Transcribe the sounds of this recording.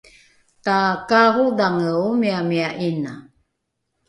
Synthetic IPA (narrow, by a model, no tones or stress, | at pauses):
takaɦudaŋəwmiamiaʔina